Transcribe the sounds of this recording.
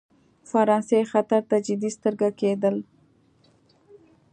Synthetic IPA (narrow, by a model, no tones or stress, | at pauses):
faɾɑnsexat̪aɾt̪ad͡ʒɪd̪ist̪əɾɡaked̪əl